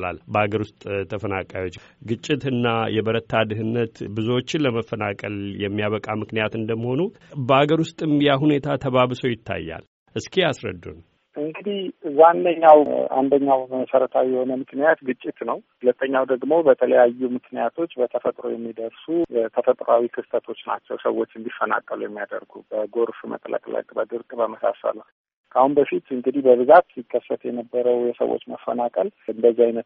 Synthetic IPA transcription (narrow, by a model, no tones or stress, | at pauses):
la̰lbəaɡəɾwʊst̪ʼt̪ʰəfəna̰kʼajo̞t͡ʃː | ɡɨt͡ʃʼːɪt̪ɨnːajɛbəɾət̪ʰːad̪ɨɦɨnːət̪bɨzuwot͡ʃːɪnləməfːənakʼə̰ljɛmːijaβəkʼamɨknijat̪ɨnd̪əmːəho̞nubəaɡəɾwʊst̪ʼɨmijaɦune̞t̪ʰat̪ʰəβaβsowjɪt̪ʰːa̰jːa̰l | ʔɨskʰiasɾə̰d̪ːṵn | ʔɨŋɡɨd̪ihzanːəɲːawa̰nd̪əɲːawməsəɾət̪ʰawjɛho̞nəmɨknijat̪ɡɨt͡ʃʼːɪt̪nəwhʊlət̪ʰːəɲːawd̪əɡmo̞bət̪ʰələjajːumɨknijat̪ʰo̞t͡ʃːbət̪ʰəfət̪ʼɾo̞̰jɛmːid̪əɾsut̪ʰəfət̪ʼɾawikʰɨst̪ʰət̪ʰo̞t͡ʃːna̰t͡ʃːɛwsəwːo̞t͡ʃːɨnb̪ifːəna̰kʼːəlujɛmːijad̪ə̰ɾɡubəɡo̞ɾfumə̰k̪ʼə̰kʼlə̰kʼbəd̪ɨɾkʼbəməsa̰sə̰lə | kʰahunbəfit̪ɨŋɡɨd̪ihbəβɨzat̪sikʰːəsːət̪jɛnəbːəɾəwjɛsə̰wʔo̰t͡ʃːməfːənakʼəlɨnd̪əziajnət̪